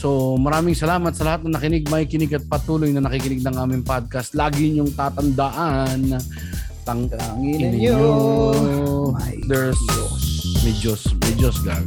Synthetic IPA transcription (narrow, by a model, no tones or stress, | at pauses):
somɐɾaːmɪŋsɐlaːmɐt̪̚sɐlɐhat̪̚nɐŋnɐkɪnɪɡ̚mɐikɪnɪɡɐt̪̚pɐt̪uːlojnɐnɐkikɪnɪɡ̚nɐŋʔaːmɪŋpad̪̚kɐst̪laːɡɪɲʊŋt̪aːt̪ɐnd̪ɐʔanːɐ | t̪ɐŋɪnɪɡo | d̪ɛs | mɛd͡ʒosmɛd͡ʒosɡa̰ɹ